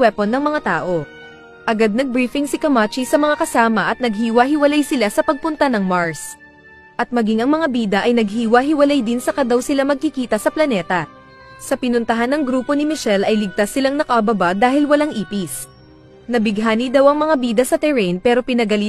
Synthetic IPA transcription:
wɛponːɐŋmɐŋat̪aːʔo̞ | ʔɐɡad̪̚nɐɡ̚bɾiːfɪŋsɪkɐmat͡ʃisɐmɐŋakɐsaːmɐʔɐt̪̚nɐɡ̚hiːwɐɦɪwɐlajsɪlasɐpɐɡ̚pʊnt̪anɐŋmaɹs | ʔɐt̪̚mɐɡiŋʔɐŋmɐŋabiːd̪ɐʔɐjnɐɡhiːwɐɦɪwɐlajd̪ɪnsɐkɐd̪ɐwsɪlamɐɡ̚kɪkiːt̪ɐsɐplɐnɛːt̪ɐ | sɐpɪnʊnt̪ɐɦanːɐŋɡɾuːpo̞nɪmɪʃɛlɐjlɪɡ̚t̪asːɪlaŋnɐkɐʔɐbɐbad̪aːhɪlwɐlaŋʔiːpis | nɐbɪɡɦaːnid̪ɐwɐŋmɐŋabiːd̪ɐsɐt̪ɛɾɛnpɛːɾo̞pɪnɐɡɐli

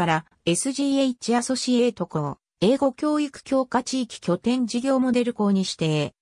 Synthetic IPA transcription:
aɾa | e̞sɨʑiːeit͡ɕiaso̞ɕie̞ːt̪o̞ko | e̞ːɡo̞kʲo̞ːikɯ̟̥kʲo̞ːkat͡ɕiːkʲi̥kʲo̞t̪ẽ̞ɲd͡ʑiɡʲo̞ːmo̞d̪e̞ɾɯ̟ko̞ːɲ̟iɕi̥t̪e̞ː

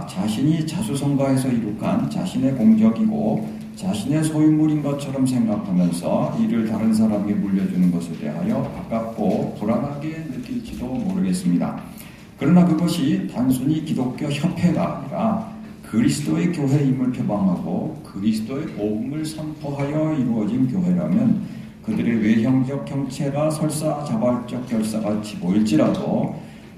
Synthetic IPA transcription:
t͡ɕaɕʰiɲit͡ɕasʰusʰʌŋɡaɦe̞sʰʌiɾukʰa̰nt͡ɕa̰ɕʰine̞koŋd͡ʑʌɡiɡo | t͡ɕaɕʰine̞sʰojumːuɾinɡʌt͡ɕʰʌɾʌms̬ʰe̞ŋɡakʰamjʌnsʰʌiɾɯɭtaɾɯnsʰaɾamemuʎːʌd͡ʑunɯnɡʌsʰe̞de̞̰ɦa̰jʌpak͈ak̚k͈opoɾanɦaɡe̞nɯk͈iɭd͡ʑidomoɾɯɡe̞s͈ɯmɲida̰ | kɯɾʌnakɯɡʌɕʰitansʰuɲikidok̚k͈joçjʌpʰe̞ɡa̰ːɲiɾa | kɯɾisʰɯ̥t͈oe̞kjoɦe̞imɯɭpʰjobaŋɦaɡokɯɾisʰɯ̥t͈ʰoe̞poɡumɯɭsʰʌmpʰoɦajʌiɾuʌd͡ʑink̬joɦe̞ɾa̰mjʌn | kɯdɯɾe̞we̞çjʌŋd͡ʑʌk̚ʰçjʌŋt͡ɕʰe̞ɡasʰʌɭs͈at͡ɕabaɭt͡ɕ͈ʌk̚k͈jʌɭs͈aɡat͡ɕʰiboiɭt͡ɕ͈iɾado̰

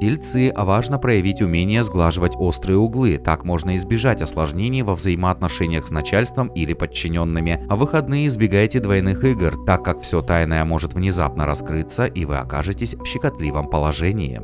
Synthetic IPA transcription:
ɪlʲt̪sɨʔɐvaʐnəpɾəjɪvʲitʲʊmʲenʲɪjəzɡlˠaʐɨvətʲo̞st̪ɾɨjəʊɡlˠɨt̪akmo̞ʐnəɪzbʲɪʐatʲɐslˠɐʐnʲenʲɪjvəvzɐjiməːt̪nɐʂɛnʲɪjəxsnɐt͡ɕalʲst̪vəmilʲɪpət͡ɕːɪnʲo̞nːɨmʲɪɐvɨxɐd̪nɨjəɪzbʲɪɡajɪtʲɪd̪vɐjnɨxɨɡərt̪akːakfsʲo̞t̪ajnəjəmo̞ʐɨt̪vnʲɪza̰pnəɾɐskɾɨt̪sːəʔivɨ̰ɐ̰ka̰ʐɨtʲɪsʲfɕɪkɐt̪lʲivəmpəlˠɐʐɛnʲɪjɪ̰

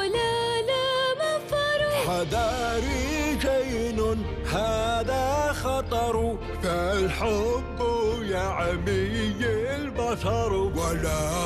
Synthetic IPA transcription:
alalamafɑɾˤħaðaɾid͡ʒajnʊn | haːðaxɑt̪ˤɑɾˤ | falħʊkːjaʕmijɪlbaʃɑɾˤwala

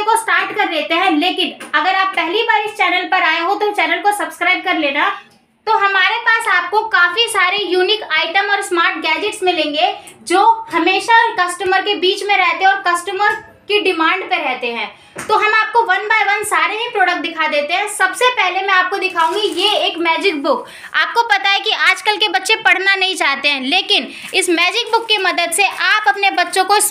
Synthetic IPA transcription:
kosʈaːɾʈkɐɾleːt̪eɦɛ̃leːkɪnɐɡəɾaːpːɛɦlibaːɾɪst͡ʃɛːnəlpɐɾaːeɦot̪ot͡ʃɛːnəlkosɐbskɾaːɪb̚kɐɾleːna | t̪oɦɐmaːɾepaːsaːp̚kokaːfisaːɾejuːnɪkaːɪʈəmɔːɾsmaːɾʈ̚ɡɛːd͡ʒɪʈsmɪ̃lẽːŋɡed͡ʒoːhɐmeːʃakɐsʈəməɾkebiːt͡ʃmẽɾɛɦt̪eɦɛ̃ɔːɾkɐsʈəməɾ | keɖɪmãːɳɖpeɾɛɦt̪eɦɛ̃ː | t̪oɦɐmaːp̚koʋɐnbaːjʋɐnsaːɾeɦipɾɔːɽək̚ʈ̚d̪ɪkʰad̪eːt̪eɦɛ̃sɐbsepɛɦlemɛ̃aːp̚kod̪ɪkʰaːũːŋɡijeeːkmɛːd͡ʒɪk̚bʊk | a̰ːp̚kopɐt̪aɦɛkiaːd͡ʒkəlkebɐtːʃẽpɐɽ̤nanɐɦĩt͡ʃaːɦt̪eɦɛ̃ːleːkɪn | ɪsmɛːd͡ʒɪk̚bʊkːimɐd̪əd̪seʔaːpɐpnebɐtːʃõko

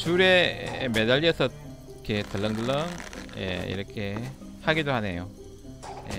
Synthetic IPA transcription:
t͡ɕuɾe̞me̞daʎːiʌsʰʌ | kʰetɯɭːʌnɡɯɭːʌnjḛḭɾʌkʰe̞ | haɡidoɦane̞jo | jḛ

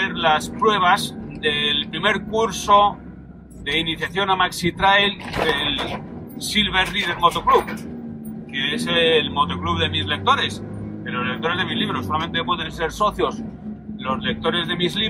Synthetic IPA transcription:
eɾlaspɾwe̞β̞azd̪e̞lpɾime̞ɾkuɾso̞ | ðe̞iniθjaθjo̞namaksit̪ɾajld̪e̞l | silβ̞e̞ɾriðeɾmo̞t̪okluβ | keeselmo̞t̪okluβðe̞mizle̞k̚t̪o̞ɾe̞s | ðelo̞zlek̚t̪o̞ɾe̞zðe̞mizliβ̞ɾo̞sːolamẽ̞nt̪epwe̞ðenseɾso̞θjo̞s | lo̞zle̞k̚t̪o̞ɾe̞zðe̞mizli

